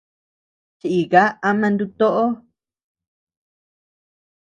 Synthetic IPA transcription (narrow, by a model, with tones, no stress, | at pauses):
t͡ʃi˧ʔi˨ɣa˦a˧mã˧nd̪u˧t̪o˦ʔo˦